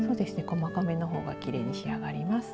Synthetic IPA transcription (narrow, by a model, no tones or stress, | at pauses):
so̞ːd̪e̞sɨ̥ne̞ko̞makame̞no̞ɦo̞̰ːɡa̰kʲiɾe̞̰ɲ̟iɕiaɡaɾʲimasɨ̥